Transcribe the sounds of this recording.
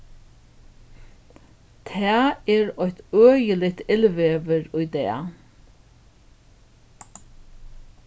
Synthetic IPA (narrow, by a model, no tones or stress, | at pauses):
t̪ʰæːɛːɹɔʏht̪øːjəlɪt̪ɪlʋeːʋəɹʊjd̪ɛ̰ː